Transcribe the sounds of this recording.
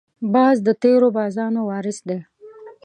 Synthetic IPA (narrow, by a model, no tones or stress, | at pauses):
bɑzd̪ət̪eɾobɑzɑnowɑːɾɪsd̪e